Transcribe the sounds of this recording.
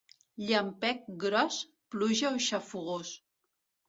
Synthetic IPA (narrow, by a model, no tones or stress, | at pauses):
ʎampɛk̚ɡɾɔs | pluʒaoʃafuɣ̞os